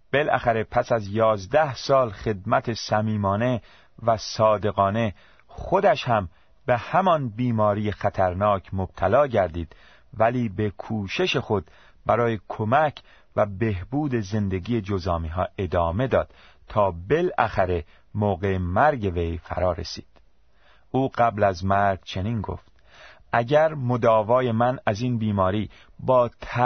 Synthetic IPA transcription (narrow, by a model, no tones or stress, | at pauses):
b̥e̞lʔæ̰xæɾe̞pʰæsæzjɒːzd̪æhsɒːlxe̞d̪̚mæt̪ʰe̞sæmiːmɒːne̞ | væsɒːd̪e̞ɣɒːne̞ | xod̪æʃhæm | behæmɒnbiːmɒːɾijexæt̪ʰæɾnɒːcʰmob̥̚t̪ʰælɒːɟæɾd̪iːd̪̥ | væliːbe̞kʰuːʃe̞ʃe̞xo̞d̪̚ | bæɾɒːje̞kʰomæcʰ | væbe̞hbuːd̪e̞ze̞nd̪e̞ɡiːje̞d͡ʒozɒːmiɦɒːe̞d̪ɒːme̞d̪ɒːd̪̥ | t̪ʰːɒːbe̞læxæɾe̞ | moːɣe̞mæɾɟe̞ve̞jfæ̰ɾɒːɾḛsi̥̰ːd̪̥ | uːɢæblæzmæɾɡt͡ʃʰe̞niːnɡo̰ft̪̚ | ʔæɟæɾmod̪ɒːvɒːje̞mænæziːnbiːmɒːɾiː | bɒːt̪ʰ